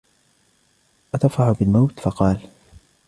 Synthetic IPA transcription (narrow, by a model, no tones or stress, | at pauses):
ʔat̪ɑfɾɑħʊbɪlmawt̪fɑqɑːl